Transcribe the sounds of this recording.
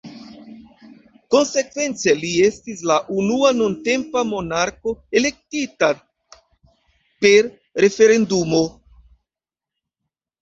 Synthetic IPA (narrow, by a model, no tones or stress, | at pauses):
ko̞nse̞kve̞nt͡selie̞stis̬laʔunuanunte̞mpamo̞naɾko̞e̞le̞k̚tita | pe̞ɾ | ɾe̞fe̞ɾe̞ndumo̞